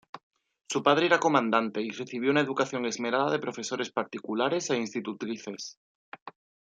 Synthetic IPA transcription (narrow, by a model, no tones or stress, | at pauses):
supað̞ɾe̞eɾako̞mãnd̪ant̪e̞ire̞θiβ̞jo̞unaeðukaθjo̞ŋe̞zme̞ɾaðaðe̞pɾo̞fe̞so̞ɾe̞spaɾt̪ikulaɾe̞se̞inst̪it̪ut̪ɾiθe̞s